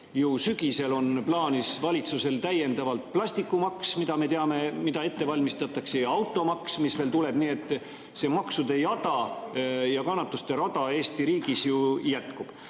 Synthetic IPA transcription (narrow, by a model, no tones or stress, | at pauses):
jusyɡ̥ise̞lo̞nplɑːnisvɑlʲit̪suse̞lt̪æje̞nd̪ɑvɑlt̪̚plɑst̪ikːˑumɑksmid̪ɑme̞t̪eɑme̞mid̪ɑe̞t̪ːe̞vɑlʲmist̪ɑt̪ːˑɑkseɑwt̪ːˑo̞mɑksmisve̞ːlt̪ule̞b̥niːe̞t̪ˑː | se̞ːmɑksud̪e̞jɑd̪̥ɑ | jɑkɑnːɑt̪ːˑust̪e̞ɾod̪̥ɑe̞ːst̪iɾiːɡ̥isjujæt̪kub̥